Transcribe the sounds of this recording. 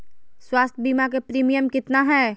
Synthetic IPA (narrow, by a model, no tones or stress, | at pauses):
swaːst̪ʰbiːmak̬epɾiːmijəmkɪt̪naɦɛː